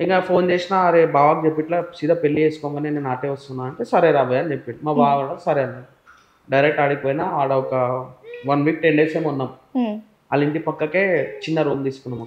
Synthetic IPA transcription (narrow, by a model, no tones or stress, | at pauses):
iŋkapʰo̞ːnt͡ʃeːsinaɐɾebaːʋaːkd͡ʒepːiʈlaːsid̪apelːieːsu̥kɔːŋɡaːneːneːnaːʈeːʋɐst̪unːaːɐɳʈeːsɐɾeːɾaːbɐjaɐːnit͡ʃepːiɳɖimabaaɽɐsɐɾeɐne | ɖɐjɾek̚ʈaːɽipoːjnaːaːɽɐɔkɐʋɐnʋiːk̚ʈeɳɖeːseːmunːaːm | ɐliɳʈipɐkːɐkeːt͡ʃinːɐɾoːnd̪iːsukunːɐmaːku